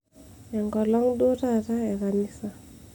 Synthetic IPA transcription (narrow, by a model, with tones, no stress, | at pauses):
ɛ˨ŋɡɔ˨lɔ˦ŋdo˦ta˦ɾa˦ɛ˨kani˦sa˨